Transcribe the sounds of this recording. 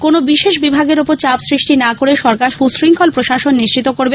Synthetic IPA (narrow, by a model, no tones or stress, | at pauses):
konobiʃeʃbibʱaɡeɾopoɾt͡ɕabsɾiʃʈinakoɾeʃɔɾkaɾʃusɾiŋkʰɔlpɾoʃaʃonːiʃt͡ɕit̪ːokoɾbe